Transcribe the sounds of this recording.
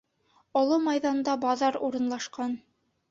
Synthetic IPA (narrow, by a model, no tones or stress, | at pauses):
ɑlˠɤmɑjðɑnd̪ɑbɑðɑɾuɾɤ̆nlˠɑʃqɑn